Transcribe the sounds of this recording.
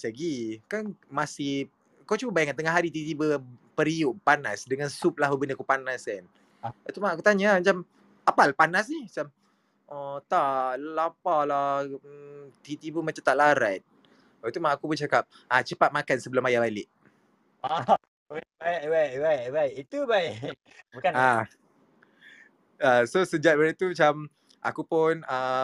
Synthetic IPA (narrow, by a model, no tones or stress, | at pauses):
səɡikanmasɪh | kot͡ʃuəbajaŋkant̪əŋaɦaɾit̪it̪ibəpəɾiuʔpanasdəŋansup̚lahbəbəndəkupanaskan | at̪umaʔakut̪aɲamat͡ʃam | apalapanasnihmat͡ʃam | ʔət̪aʔlapala | t̪it̪ipunmat͡ʃamt̪aʔlaɾat̪̚ | bat̪umaʔakupʊnt͡ʃakap̚ | at͡ʃəpat̪̚makansəbəlʊmajabalɪʔ | a | awaj̚bajbajʔit̪ubaʔ | bukana | asosəd͡ʒat̪̚baɾat̪umat͡ʃam | ʔa̰kupʊnə